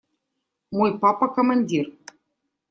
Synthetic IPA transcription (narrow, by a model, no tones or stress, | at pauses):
mojpɑpakomɑnʲdʲir